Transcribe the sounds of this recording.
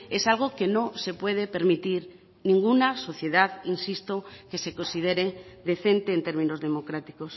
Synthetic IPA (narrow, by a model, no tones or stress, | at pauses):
esalɣ̞okenõse̞pweð̞epeɾmit̪iɾ | nĩŋɡunaso̞θje̞ð̞aðinsist̪okesekonsiðeɾed̪e̞θent̪eːnt̪e̞ɾmĩnozðe̞mokɾat̪i̥kos